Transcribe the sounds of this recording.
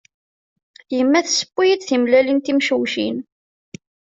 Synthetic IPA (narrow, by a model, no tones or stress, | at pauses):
jəmːæθsə̥pːijid̪θimlælint̪imʃwʃḭn